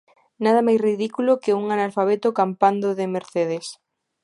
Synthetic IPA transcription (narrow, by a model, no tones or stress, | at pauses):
naðamajsriðikulokɪuŋanalfaβ̞et̪ʊkampand̪oðɪmeɾθeð̞es